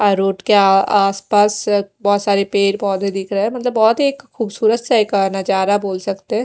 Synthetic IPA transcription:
ɔːɾːoːʈkeaaːspaːsbɔːt̪saːɾepeːɾbɔːt̪ɦid̪ɪkʰɾəɦɛ̃mɐt̪ləbːɔːt̪ɦeːkkːuːbsuːɾət̪seeːknɐd͡ʒaːɾaboːlsɐkt̪eɦɛ̃ː

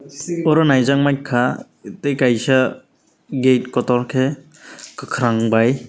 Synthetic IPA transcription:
ɔɾɔnajzaŋmaj̚kʰa | tejkajsa | ɡejt̚kɔtɔɾkʰe | kɯkʰɾaŋbaj

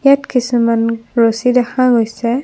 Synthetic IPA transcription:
jatkisimanɹosidaxãɡojsɛ

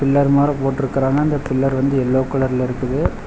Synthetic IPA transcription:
pɪlːɐɾmaːɾɐpoːʈːɪɾɯkːɪɾaːŋɡɐɐnd̪ɐpɪlːɐɾʋɐnd̪ɯɛlːoːkːʊɭɐɾɪlɪɾɯkːɯðɯ

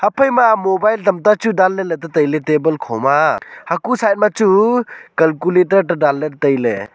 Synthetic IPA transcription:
hapʰəjmamobajltɐmtat͡ʃudalːeletatəjletebəlkʰɔwmahakusajt̚mat͡ʃukɐlkuletəɾtadalːeɾtəjlḛ

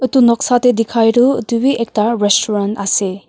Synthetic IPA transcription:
ət̪unɔksat̪ed̪ikʰajɾud̪ubiʔekʈaɾesʈuɾanʈase

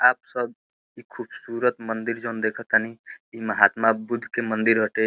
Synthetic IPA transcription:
aːp̚səb | ikʰubsuɾət̪mənd̪iɾd͡ʒond̪ekʰət̪aniiməɦat̪mabud̪ʱːkemənd̪iɾɦəʈe

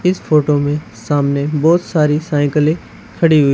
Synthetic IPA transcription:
ɪsfʰoːʈomẽ | saːmnebɔːt̪saːɾisaːɪ̃kəlẽ | kʰɐɽiɦʊi

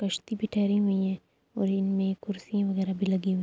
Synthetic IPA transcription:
kɐʃt̪ibʱiʈʰɛːɾiɦʊĩɦɛ̃ː | ɔːɾɪnmẽkʊɾsiãʋɐɣɛːɾabʱilɐɡĩɦũ

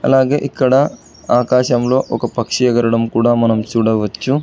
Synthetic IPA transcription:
ɐ̰laːɡeːʔikːɐɽe | aːkaːʃɐmloːʔɔkːɐpɐkʂijɐɡɐɾɐɽɐmkuːɽamɐnɐmt͡ʃuɽɐʋɐt͡ʃːu

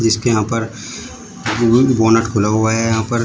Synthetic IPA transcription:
d͡ʒɪskejɐɦãpɐɾ | boːnəʈkʰʊlaɦuaɦɛjɐɦãpɐɾ

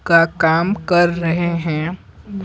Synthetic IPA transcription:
kakaːmkɐɾːɐɦeɦɛ̃ː

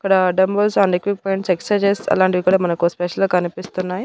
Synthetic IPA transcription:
ɐkːɐɽɐɖɐmbɐlsaːnɖekʋik̚pɔjɳʈseksɾɐjd͡ʒesɐ̰laːɳʈidikuːɽaːmɐnɐkuspɛʃɐlokɐnipist̪unːaːji

